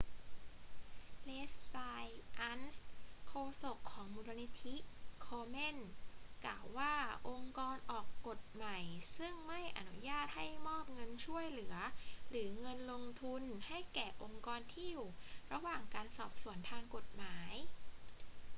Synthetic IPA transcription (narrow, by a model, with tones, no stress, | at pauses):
le˦˥ssa˧jʔa˦˥nskʰoː˧so˨˩kʰːɔː˩˦ŋmuː˧ɾa˧ni˧˥t̪ʰi˦˥kʰoː˧me˥˩nklaː˨˩wːaː˥˩ʔo˧ŋkɔː˧nʔɔː˨˩kːo˨˩t̪̚ma˨˩jsɯ˥˩ŋma˥˩jʔa̰˧˩nu˦˥jaː˥˩t̪̚ha˥˩jmɔː˥˩p̚ŋɤ˧nt͡ɕʰu˥˩əjlɯ˩˦ɐɾɯː˩˦ŋɤ˧nlo˧ŋt̪ʰu˧nha˥˩jkɛː˨˩ʔo˧ŋkɔː˧nt̪ʰiː˥˩u˨˩ɾa˧waː˨˩ŋkaː˧nsɔː˨˩p̚su˨˩˦ənt̪ʰaː˧ŋko˨˩t̪̚maː˩˦j